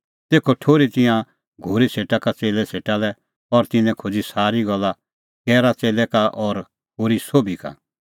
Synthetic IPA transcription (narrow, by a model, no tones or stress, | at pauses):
t̪eːkʰoʈʰoːɾit̪ɪjã | ɡʱoːɾisʰeːʈakat͡seːlɛsʰeːʈalɛ | ɔɾt̪ɪnɛ̃kʰod͡zisaːɾiɡɔlːa | kɛːɾat͡seːlɛkaʔɔɾ | ɦoːɾisoːbʱika̰